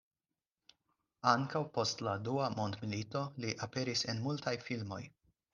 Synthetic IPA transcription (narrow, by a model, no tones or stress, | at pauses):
aŋkawpo̞st̪lad̪uamond̪miliːt̪o̞liʔapeɾisenmult̪ajfilmo̞̰j